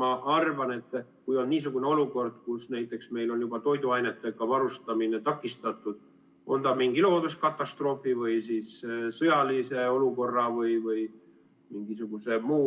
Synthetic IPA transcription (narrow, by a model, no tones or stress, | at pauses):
ɑʔɑrvɑne̞t̪ːˑkujo̞nniːsuɡ̥une̞o̞luko̞rd̪̥̚kusnæjt̪ːˑe̞ksme̞jlo̞njubɑt̪o̞jd̪uɑjnet̪ːˑekɑvɑɾust̪ɑmine̞t̪ɑkːˑist̪ɑt̪ːˑud̪̥̚ | ʔo̞̰nd̪ɑmiŋɡ̥ilo̞ːd̪uskɑt̪ːˑɑst̪ro̞ːfivɯjsissɤjɑlise̞o̞luko̞rːɑvɯjvɯj | miŋɡisuɡ̥use̞muː